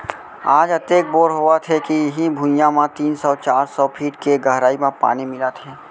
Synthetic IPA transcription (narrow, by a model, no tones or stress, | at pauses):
aːd͡ʒət̪eːk̚boːɾɦoat̪ʰekijɐɦibʱʊ̃jãmãt̪iːnsɔːt͡ʃaːɾsɔːpʰiːʈkeɡəɦɾaːimãpa̰ːnimɪlat̪ʰɛː